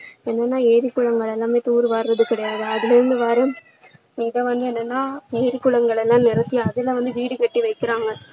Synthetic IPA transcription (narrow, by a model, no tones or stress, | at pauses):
ɛnːɐnːaːeːɾɪkːʊɭɐŋɡɐɭɛlːãːmeːt̪uːɾɯʋaːɾɾɐðɯkɪɽɐjaːðɯɐðɪlɛɾɯnd̪ɯʋaːɾɯm | ɪðɐʋɐnd̪ɯɛnːɐnːaːeːɾɪkːʊɭɐŋɡɐɭɛlːãːnɪɾɐt̪ːɪjɐɐðɪlːãːʋɐnd̪ɯʋiːɽɯkɐʈːiʋɐɪkːɪɾaːŋɡɐ